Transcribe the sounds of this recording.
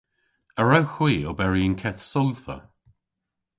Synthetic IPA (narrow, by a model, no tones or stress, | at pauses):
əɹawxw̥iːobɛɹiənkʰɛθsɔlθə̰